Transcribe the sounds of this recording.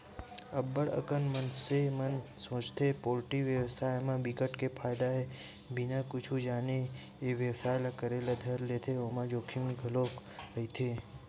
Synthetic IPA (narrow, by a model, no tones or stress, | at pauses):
əbːəɽə̰kənmənsemənsõːt͡ʃt̪ʰepoːlʈiʋjəwsaːemãbikəʈkepʰaːjd̪aɦɛ | bɪnakʊt͡ʃʰud͡ʒaːne | eʋjəwsaːjlakəɾelad̪ʱəɾleːt̪ʰeomãd͡ʒoːkʰimiɡʱəloːk | ɾəɦit̪ʰeː